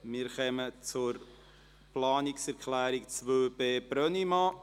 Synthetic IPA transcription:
mɪːɾχɛmət͡sʊɾ | pʰlɑːnɪksɛɾkʰlæːɾikt͡svøːbeːb̥ɾœnimɑ

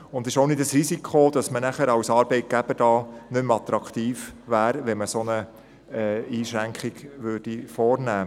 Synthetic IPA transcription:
ʊndɪʃownɪtəsɾisikʰod̥ɑsmənæχəɾɑwsɑːɾb̥ɛɪt̚ɡ̥æb̥əd̥ɑːnʏmɑt̪ɾɑkχt̪iːfʋæːɾʋɛnməsonə | ɛiːʃɾæŋkχɪɡ̥ʋørd̥ifɔːrnæː

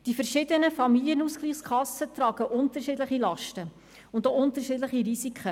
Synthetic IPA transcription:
d̥ifəɾʃɪdənəfɑmiliənuskliːχskʰɑsːətrɑːɡ̥əʔʊntəʃiːdləχilɑʃtə | ʊndoʊntəɾʃiːdləχiɾisikχə

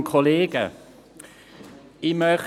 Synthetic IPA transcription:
kʰɔleːɡə̰ | imœːχ

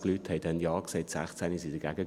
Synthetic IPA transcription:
klyt̪hɛɪdɛnjaːkseɪtsæ̰χt͡sænisidəɡ̥æɡə

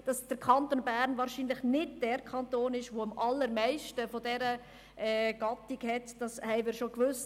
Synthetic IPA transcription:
d̥ɑsd̥əɾkʰɑntoːnbæɾnvɑːɾʃiːnləχnɪd̚d̥ɛːɾkʰɑntoːnɪʃʋoɑmʔɑlːəɾmɛɪʃtəfɔdɛɾə | ɛːɡ̥ɑtiɡhɛtd̥ɑshɛɪmɪːɾʃokʋʏs

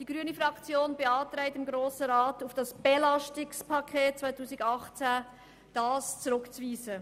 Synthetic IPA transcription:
d̥iɡɾyənəfʁɑkt͡sjoːnbeɑːtɾɛɪtɪmɡɾoːsəɾaːtufd̥ɑsb̥elɑstɪkspʰɑkʰeːt̚t͡svaɪtuːsɪɡɑχt͡sæ | d̥ɑːst͡suɾʊkt͡sviːzə

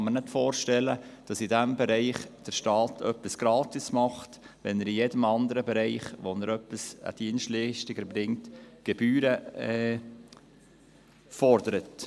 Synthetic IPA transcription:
ɑməɾnɪtfoːɾʃtɛlːəd̥ɑsidæmbɛɾɛɪχd̥əɾʃtɑːtʰœpːɪsɡ̥ɾɑːtismɑχt | ʋɛnəɾijedəmɑnd̪əɾəbɛɾɛɪχʋonəɾœpːisə̰d̥iənstliʃtɪɡəɾbɾɪŋtɡ̥ɛb̥yːɾəɛ | fɔɾdəɾət

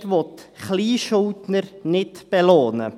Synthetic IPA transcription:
vɔtχliːʃʊltnəɾnɪtb̥ɛloːnə̰

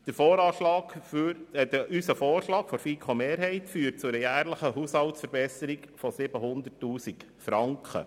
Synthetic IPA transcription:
d̪̥əfɔːɾɑːʃlɑːɡfyɾɛd̪əʔysəfoːrʃlɑːkfɔɾfiːkʰχomeːɾɦɛɪtfyːt̚t͡sʊɾəjæːɾləχəɦushɑltsfəɾbɛsəɾikfɔsɪbəɦʊnd̪ərtːuːsik | fɾɑŋkʰχə̰

